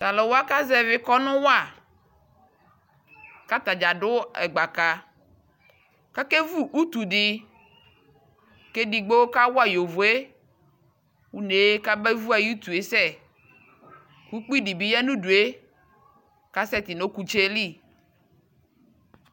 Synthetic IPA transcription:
t̪a˨lɔ˨wo˦a˦ka˦zɛ˦˨vɪ˦kɔ˦nʊ̃˦wa˦˨ | ka˦t̪a˨d͡ʒa˨ɖʊ˦ɛ˨ɡ͡ba˨ka˨ | ka˦ke˦vu˦ʔu˦t̪u˨ɖi˨ | ke˦di˨ɡ͡bo˦wo˦ka˦wo˦a˦jo˨vo˨e˦ | wu˦ne˨˦ka˦be˦vu˦a˨ju˦t̪u˨e˨sɛ˦˨ | ku˦k͡pi˦di˨bi˦jɛ˦nũ˦du˨e˦ | ka˦sɛ˦t̪i˨no˦ku˨t͡ʃe˦li˦˨

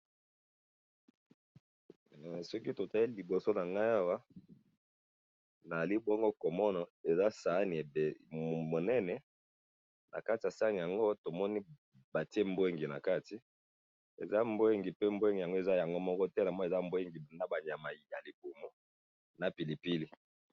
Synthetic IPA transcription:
sɔ˦ki˦to˨ta˨li˦li˨bo˨so˦na˨ŋɡa˦ja˦wa˦ | na˨a˨li˦bɔ˦ŋɡo˦ko˨mɔ˦na˨e˨za˦sa˨˦ni˨e˨be˨mo˨nɛ˦nɛ˨ | nʔa̰˨ka˦ti˨ja˨sa˦ni˨ja˨ŋɡo˦to˨mɔ˦ni˦ | ba˨ti˦e˦mbwe˦ŋɡi˨na̰˨ka˦ti˨ | ḛ˨za˦mbo˦˨ŋɡi˨pe˦mbwŋɡi˨ja˨ŋɡo˦e˨za˦ja˨ŋɡo˦mɔ˦kɔ˦tɛ˦na˨mɔ˦˨e˨za˦mbo˦ŋɡi˨na˦ba˨ɲ˨a˨ma˨ja˨li˨bo˨mo˦ | na˨pi˨li˨pi˦li˦

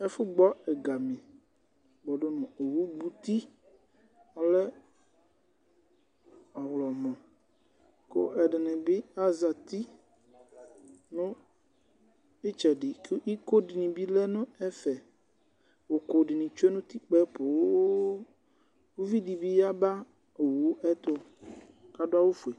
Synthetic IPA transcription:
ɛ˦fʊ˦ɡ͡bɔ˦ɛ˨ɡa˨mẽ˨ | ɡ͡bɔ˨ɖo˦nũ˨o˨wu˦ɡ͡bu˦t̪i˦ | a˨lɛ˦ | ɔ˨wlɔ˨mɔ̃˨ | ko̰˦ʔɛ˨ɖɛ˨nɛ̃˨be˦a˦za˨t̪i˦ | nũ˦ | e˦t͡ʃɛ˨ɖi˨ki˦ko˦ɖi˨nĩ˨bi˦lɛ˦nʊ̃˦ɛ˦fɛ˨ | wo˨ko˨ɖi˨nĩ˨t͡ʃo˦e˦nũ˦t̪i˦k͡pɛ˦po˨wo˦ | wo˦vi˦di˨bi˦ja˦ba˦˨ | wo˦ʔɛ˦t̪o˦ | ka˦do˦a˦wo˦fu˨e˨

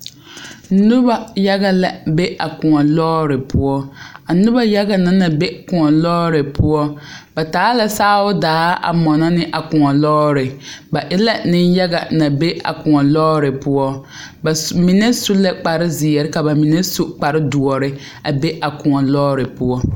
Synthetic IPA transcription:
nʊ˦ba˨ja˦ɡa˦la˨be˦a˨kʊ˨ŋɔ˨lɔː˦ɾɪ˨pʊ˦ɔ˦a˨nʊ˦ba˦ja˦ɡa˦˨na˦na˨be˦kʊ˨ŋɔ˨lɔː˦ɾɪ˨pʊ˦ɔ˦ba˨taː˨˦la˨saː˦ʊ˦daː˨˦ʔa̰˨mɔ˨na˦nɪ˦ʔa˨kʊ˨ŋɔ˨lɔː˦ɾɪ˨ba˨ʔɪ˦la˦nɪ˦nja˦ɡa˨na˨be˦ʔa̰˨kʊ˨ŋɔ˨lɔː˦ɾɪ˨pʊ˦ɔ˦ | bmi˨nɛ˦sʊ˦lɛ˦k͡pa˨ɾɪ˦zɪ˨jɛ˨ɾɪ˦ka˨ba˨mi˨nɛ˦su˦k͡pa˨ɾɪ˦du˨ɔ˨ɾɪ˦ | a˨be˦ʔa˨kʊ˨ɔ˨lɔː˦ɾɪ˨pʊ˦ɔ˦

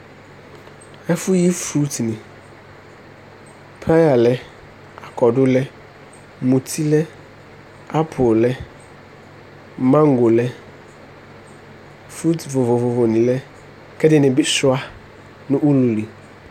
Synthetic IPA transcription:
ɛ˦fʊ˦ji˦fɾu˦tnɪ̃˨ | pʰɾa˦ja˨lɛ˦ | a˨kɔ˨dʊ˦lɛ˦ | mũ˨tʰi˦lɛ˦ | a˦pʰʊ˨llɛ˦ | mã˦ŋ˦ɡo˨lɛ˦ | fɾu˦tvʊ˨vo˨vʊ˨vo˨nĩ˨lɛ˦ | kʰɛ˦dɪ˦nɪ̃˨bɪ˦sʊ˦a˦ | nʊ̃˦ʔu˦lu˨li˨

